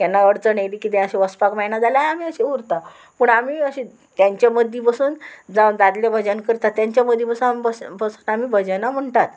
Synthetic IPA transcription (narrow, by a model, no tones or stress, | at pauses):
janːaəɽt͡səɳajlikit̪̬ɛ̃əɕeʋəspakmajnad͡zalaam̤iəɕẽuɾt̪a | pəɳamiːəɕi | t̪jaɲt͡ɕjaməd̪ʱjipəsuːnd͡zand̪ad̪ljabʱəd͡ʑənkəɾt̪at̪ːjaɲt͡ɕaməd̪ʱːjipəsunampəpəsuːnamiːbʱəd͡ʑənam̤əɳt̪at̪